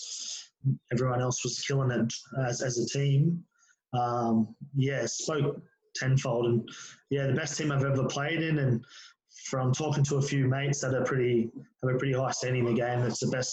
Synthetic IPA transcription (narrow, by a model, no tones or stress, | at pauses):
ɛvɹiwʌ̃nɛlˠswʌz̥kʰɪlˠɪ̃ŋɨəzɨzɨtʰĩm | ʌ̃mjæspoʊk̚ | tʰɛ̃nfoʊlˠdə̃njæðɨbɛstʰĩmaɪvɛvə˞pʰl̥eɪɾɪ̃nɨ̃n | fɹʌ̃mtʰɔkɪ̃ŋtʰəəfjʉmeɪtsðɨɾə˞pʰɹ̥ɪɾiɨəpʰɹ̥ɪɾihaɪstæ̃ndɪ̃ŋ̃n̩ðɨɡẽɪ̃mɨtsðɨbɛs